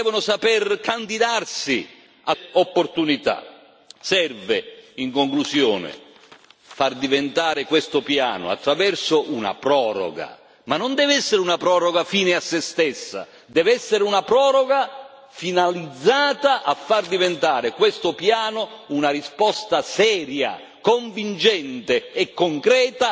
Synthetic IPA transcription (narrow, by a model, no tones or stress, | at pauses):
d̪ɛːvonʊsapɛrkand̪id̪arsi | aopːort̪unit̪a̰ | sɛrvɪiŋkoŋklusjoːnɪ̰ | fard̪ivent̪aːɾɪkwest̪ʊpja̰ːnʊ̰a̰t̪ːɾavɛrsoʔuna̰pɾɔːɾɔ̰ɡa̰ | manːond̪ɛːvɛsːeɾɪunapɾɔːɾoɡafiːnɪasːest̪esːa̰ | d̪ɛːvɛsːeɾɪunapɾɔːɾoɡa | finalid̪zːaːt̪aʔafːard̪ivent̪aːɾɪkwest̪ʊpjaːnounaɾispɔst̪asɛːɾja̰ | koɱvint͡ʃɛnt̪ɪɛkːoŋkɾɛːt̪a